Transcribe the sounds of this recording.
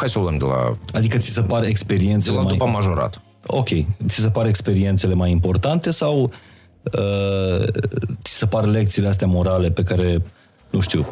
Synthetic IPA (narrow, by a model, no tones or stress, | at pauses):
xajsələmd̪ela̰ad̪ikət̪sisəpare̞kspe̞ɾient̪seemaujpamːaʒoɾa̰t̪ə | o̞̰kʲe̞jt̪sis̬epaɾe̞kspe̞ɾie̞nt̪se̞le̞majimpo̞rt̪ant̪e̞saw | ə | t̪i̥səparle̞k̚t̪siːleas̬t̪eamo̞ɾale̞pe̞kaɾe̞ | nuʃt̪iw